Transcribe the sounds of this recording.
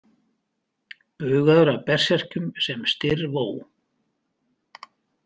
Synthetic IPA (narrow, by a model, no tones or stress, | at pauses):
pʏːɣaðʏɾawpɛr̥sɛr̥cʏmsɛmst̪ɪɾvoːw